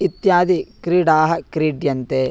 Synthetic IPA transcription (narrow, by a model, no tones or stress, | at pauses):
it̪jaːd̪ikɾiːɖaːɦɐkɾiːɖjɐnt̪e